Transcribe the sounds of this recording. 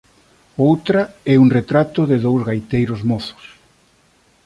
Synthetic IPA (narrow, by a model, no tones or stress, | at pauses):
owt̪ɾɐɛuŋret̪ɾat̪ʊðɪðowzɣajt̪ejɾʊzmɔθʊ̥s